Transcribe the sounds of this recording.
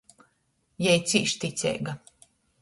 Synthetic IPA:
jɛjt̪siːʃt̪it̪sʲɛ̰jɡa

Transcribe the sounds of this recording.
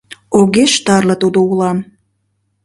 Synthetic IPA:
oɣeʃt̪ɑrlɤt̪ud̪oulɑm

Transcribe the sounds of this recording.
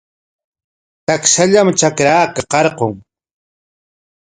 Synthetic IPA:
t̪akʃaʎamt͡ʃakɾaːkaqɑɾqoŋ

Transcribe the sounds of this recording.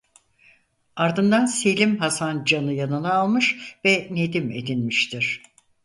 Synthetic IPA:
aɾd̪ɯnd̪anse̞lʲimɦasand͡ʒanɯjanɯnaːlˠmɯʃvɛne̞d̪ime̞̰d̪inmiʃt̪ʰiɾ̝̥

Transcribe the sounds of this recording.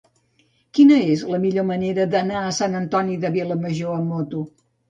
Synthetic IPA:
kinəezləmiʎoməneɾəd̪ənaəsanənt̪ɔniðəβilˠəməʒoəmːot̪u

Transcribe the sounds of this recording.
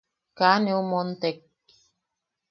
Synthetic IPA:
kaneomɔnt̪ɛk̚

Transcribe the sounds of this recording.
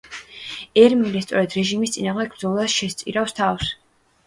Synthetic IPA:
ɛɾmilɛst̪sʼɔɾɛd̪ɾɛʒimist̪sʼinaːʁmd̪ɛɡ̚bd̪zɔlˠasʃɛst̪sʼḭɾafst̪ʰafs

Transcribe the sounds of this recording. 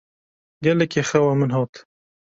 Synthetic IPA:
ɡɛlɛkʰeːxɛwamɨnɦɑːt̪

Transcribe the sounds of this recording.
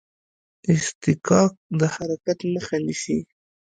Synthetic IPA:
ɪst̪ɪkɑk̚d̪əhaɾakat̪məxanisi

